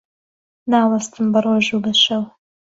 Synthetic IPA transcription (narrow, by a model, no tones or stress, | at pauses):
naːwɐst̪ɨmbɐrˤoːʒuːbɐʃɐw